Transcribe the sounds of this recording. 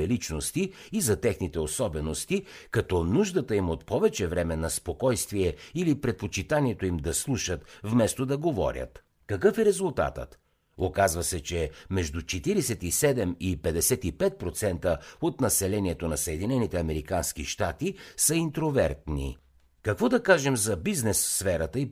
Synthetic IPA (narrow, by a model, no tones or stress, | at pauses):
ɛlit͡ʃnost̪iː | zɐt̪ɛxnit̪ɛosɔbɛnost̪i | kɐt̪ɔnuʒd̪ət̪əimot̪pɔvɛt͡ʃɛvɾɛmɛnɐspokɔjst̪viɛilipɾɛt̪̚pot͡ʃit̪aniɛt̪oimd̪ɐslˠuʃət̪vmɛst̪od̪ɐɡovɔ̰ɾʲjə̰t̪ | kɐkɤfɛɾɛzulˠt̪a̰t̪ə̰t̪ | okazvɐsɛt͡ʃɛmɛʒd̪ut͡ʃɛt̪iɾɛsɛt̪isɛd̪ɛmipɛd̪ɛsɛt̪ipɛt̪̚pɾot̪sɛnt̪əot̪nɐsɛlɛniɛt̪onɐsəɛd̪inɛnit̪ɛɐmɛɾikansk̟iʃt̪at̪isəint̪ɾovɛɾt̪nḭ | kɐkvɔd̪ɐkaʒɛmzɐbiznɛsfːfɛɾɐt̪əi